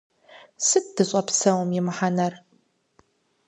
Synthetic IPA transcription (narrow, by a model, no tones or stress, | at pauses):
sɨt̚dɨɕʼɐpsɐwmjɪmħanɐr